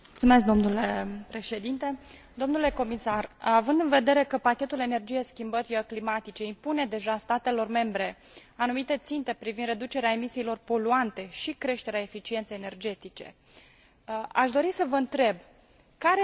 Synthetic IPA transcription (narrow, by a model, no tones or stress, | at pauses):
ult̪sume̞sk̚d̪o̞mnule̞pɾe̞ʃe̞d̪int̪e̞d̪omnule̞ko̞misaravɨnd̪ɨnve̞d̪e̞ɾe̞kəpakʲe̞t̪ule̞ne̞rd͡ʒije̞skʲimbəɾʲəklimat̪it͡ʃe̞impune̞d̪e̞ʒast̪at̪e̞lo̞rme̞mbɾe̞ | anumit̪e̞t̪sint̪e̞pɾivind̪re̞d̪ut͡ʃe̞ɾeaemisiːlo̞rpo̞luant̪e̞ʃikɾe̞ʃt̪e̞ɾeae̞fit͡ʃient̪sejenerd͡ʒe̞t̪it͡ʃe̞̰ | aʃd̪o̞ɾisəvəɨnt̪ɾe̞b | kaɾe